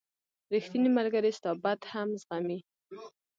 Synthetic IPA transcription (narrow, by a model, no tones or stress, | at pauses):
ɾixt̪inimaɾɡaɾest̪ɑbad̪hamzɣami